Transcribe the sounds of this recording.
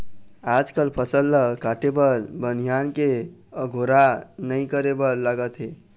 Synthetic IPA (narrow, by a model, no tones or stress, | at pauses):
ad͡ʒkəlpʰəsəlːəkaʈebəɾbənijanke | əɡʱoɾanəĩkəɾebəɾlaɡət̪ɦe